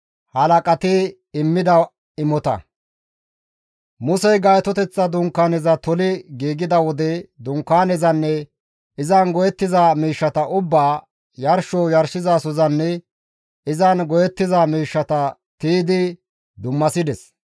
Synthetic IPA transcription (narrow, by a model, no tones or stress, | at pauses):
hɐlɐkʼɐt̪ɪ | ɪmːɪd̪ɐ | ɪmɔt̪ɐ̰ | mʊsɛjɡɐjt̪ɔt̪ɛt͡sːɐd̪ʊŋkːaːnɛzɐt̪ɔlɪɡiːɡɪd̪ɐwɔd̪ɛd̪ʊŋkːaːnɛzɐnːɛ | ɪzɐnɡɔjɛt̪ːɪzaːmiːʃːɐt̪ɐʔʊbːaː | jɐɾʃɔoːjɐɾʃɪzaːsɔzɐnːɛ | ɪzɐnɡɔjɛt̪ːɪzamiːʃːɐt̪ɐ | t̪iːd̪ɪ | d̪ʊmːɐsɪd̪ɛs